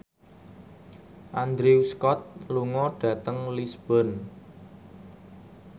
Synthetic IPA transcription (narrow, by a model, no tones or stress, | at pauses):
ʔand̪ɾeuskɔt̪̚luŋɔɖ̥ä̤t̪əŋlisb̥ɔn